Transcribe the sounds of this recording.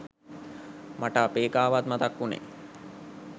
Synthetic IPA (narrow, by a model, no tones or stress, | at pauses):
maʈapeːkaːʋat̪̚mat̪akːunḛ